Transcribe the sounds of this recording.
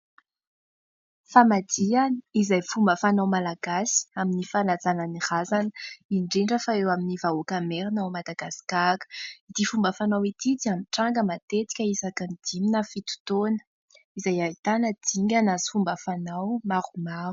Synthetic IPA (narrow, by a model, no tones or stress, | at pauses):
famad̪ianiizajfumbəfanawmalaɡ̥asi̥aminifanazananirazanə̥iɳɖ͡ʐiɳɖ͡ʐəfaewaminivaokameɾinawmad̪aɡasi̥kakə̥id̪̥ifumbəfanawit̪id̪iamiʈ͡ʂaŋɡəmat̪et̪i̥kʲəisakanid̪̥iminafit̪u̥t̪onə̥ | izajait̪anəd̪̥iŋɡʲanazfumbəfanawmarumaru̥